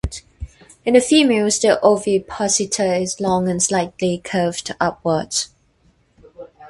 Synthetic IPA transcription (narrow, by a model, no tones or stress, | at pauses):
ɪ̃nəfiːmelsdiʔovipʰɔsɪtʰəɪzlɔ̃ŋə̃nslaɪtlikʰɜvdʔap̚wədz̥